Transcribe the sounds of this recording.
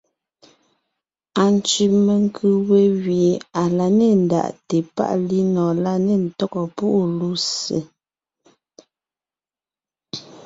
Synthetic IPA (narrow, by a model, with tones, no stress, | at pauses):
a˨n˨t͡ʃi˨me˨ŋ˦kʰʉ˦we˦ɣɥi˨a˨la˨ne˨n̩˨da̰˨ʔte˨pa̰˦ʔli˦nɔ˨la˦ne˦˨n̩˨tɔ˦kɔ˨pu˦ʔlu˦sḛ˨